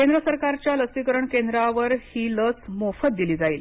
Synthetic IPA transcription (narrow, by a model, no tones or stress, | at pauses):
kend̪ɾəsəɾkaɾt͡ɕjaləsikəɾəɳkend̪ɾaʋəɾhiːlət͡smofət̪̚d̪iliːd͡zaiːl